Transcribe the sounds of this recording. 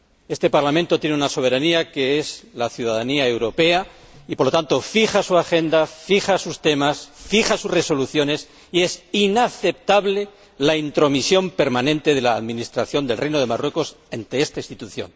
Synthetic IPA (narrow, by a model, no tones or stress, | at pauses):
e̞st̪e̞paɾlamẽnt̪ot̪je̞neunaso̞βe̞ɾaniake̞ezlaθjuð̞aðaniae̞wɾo̞pe̞a | ipoɾlo̞t̪ant̪o̞fixasuaxe̞nd̪afixasust̪e̞masfixasusre̞so̞luθjo̞ne̞s | ie̞sinaθe̞p̚t̪aβle̞ | laint̪ɾo̞misjo̞mpe̞ɾmanẽ̞nt̪e̞ð̞e̞laːðmĩnist̪ɾaθjo̞nd̪e̞lrejnoð̞e̞marwe̞ko̞s | ent̪eest̪aist̪it̪uθjo̰n